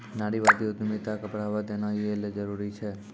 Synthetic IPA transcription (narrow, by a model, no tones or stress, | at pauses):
naɽiʋad̪iod̪umit̪akəpɽaʋad̪enajueled͡ʒəɾuɾit͡ʃʰe